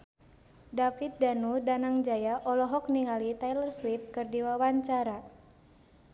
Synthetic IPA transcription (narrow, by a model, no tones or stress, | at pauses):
dafit̪̚danudanaŋd͡ʒajaʔɔlɔɦɔk̚niŋalit̪ajlərswip̚kɨrdiwawaɲt͡ʃaɾa